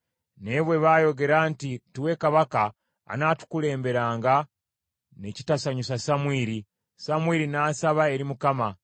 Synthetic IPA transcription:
neβwe̞βajo̞ɡe̞ɾaːntituwe̞kaβaka̰ː | naːtu̥kule̞ːmbe̞ɾaːŋɡa | ne̞ci̥tasaɲus̬asamwiːɾi | samwiːɾinaːsaβae̞ɾimukama

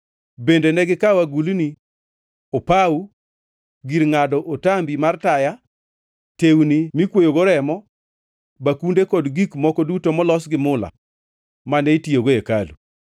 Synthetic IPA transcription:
bendenɛɡɪkawaɡulni | opau | ɡiɾŋadɔʔotambimartaja | tewnimikwojoɡoɾɛmɔ | bakundekɔdɡikmɔkɔdutomɔlɔsɡɪmʊla̰ | manɛitioɡoekalṵ

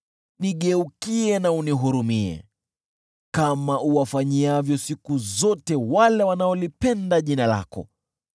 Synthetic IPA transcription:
niɠɛukiɛnauniɦuɾumiɛ̰ | kamaʔuwafaɲiavjɔsikuzɔtɛwalɛwanaɔlipɛndaʄinala̰kɔ̰

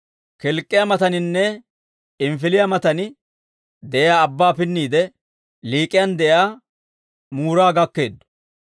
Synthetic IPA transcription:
kɛlkʼːɪjɐmɐt̪ɐnɪnːɛ | ɪmfɪlɪjɐmɐt̪ɐnɪ | d̪ɛʔɛjaːbːaːpɪnːiːd̪ɛ | liːkʼɪjɐnd̪ɛʔjaː | muːɾaːɡɐkːe̞ːd̪ːʊ̥

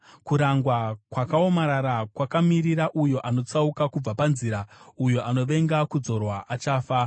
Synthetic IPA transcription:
kuɾaŋɡwakwakao̞maɾaɾakwakamiɾiɾaʔujo̞ʔano̞t͡saukakub͡vapanziɾaujo̞ʔano̞ʋe̞ŋɡakud͡zo̞rwaʔat͡ʃaːfa

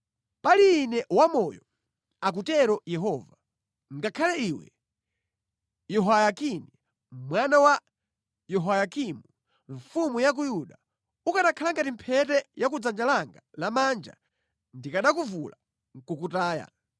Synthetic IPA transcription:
paliːnɛwamɔjɔ | ak̬utɛɾɔjɛɦɔːva | ŋɡakʰalɛiwɛ̰ | jɔɦajakini | mwanawa | jɔɦwajakimu | ɱfumujak̬ujuɗa | ukaɗakʰalaŋɡatim̩pʰɛtɛjak̬ud͡zand͡ʒalaŋɡalamand͡ʒa̰ | ndikaɗakuvula | ŋkukutaːja̰

